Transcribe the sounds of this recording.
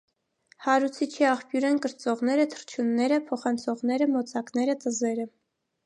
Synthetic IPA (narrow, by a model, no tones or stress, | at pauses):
hɑɾut͡sʰit͡ʃʰiɑχpjuɾɛnkəɾt͡sɔʁnɛɾət̪ʰə̥ɾt͡ʃʰjunːɛɾəpʰɔχɑnt͡sʰɔʁnɛɾəmɔt͡sʰɑknɛɾət̪əzɛɾə